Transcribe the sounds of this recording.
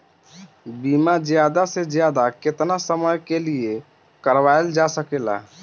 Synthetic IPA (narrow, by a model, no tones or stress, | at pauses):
bimad͡ʒjad̪ased͡ʒjad̪aket̪nasəməjkelie | kəɾʋaeld͡ʒasəkela̰